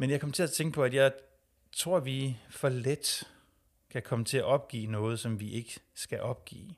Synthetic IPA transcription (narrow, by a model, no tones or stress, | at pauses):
menjɑ̈kʰɒ̽m̰ət͡sʰe̝æt͡sʰeŋɡ̥əpʰɒ̽æd̥jɑ̈ɪ | t͡sʰʁo̝ɐ̰ʋifɒ̽led̥ | kʰækʰɒ̽mət͡sʰe̝æʔɒ̽b̥̚ɡ̥ḭːnɔ̽ːð̞̩ˠsɒ̽mʋiʔe̝ɡ̥əsɡ̥æʔɒ̽b̥̚ɡ̥ḭː